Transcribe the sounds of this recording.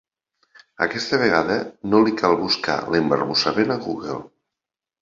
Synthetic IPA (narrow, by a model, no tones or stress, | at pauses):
ə̰kɛst̪əβ̞eɣaðənolikalˠβuska̰lembəɾβusamenaɣuɣḛlˠ